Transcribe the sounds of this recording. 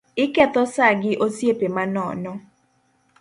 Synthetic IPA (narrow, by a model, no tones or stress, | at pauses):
ɪkɛt̪ɔsaɡɪʔosjepemanɔ̰nɔ